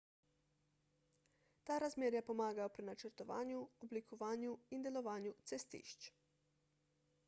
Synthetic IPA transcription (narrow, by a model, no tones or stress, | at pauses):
t̪aːɾazmeːɾjapɔmaːɡajɔpɾinat͡ʃəɾt̪ɔʋa̰ːnjuɔblikɔʋaːnjuind̪ɛlɔʋaːnjut̪sɛst̪ḭːʃt͡ʃ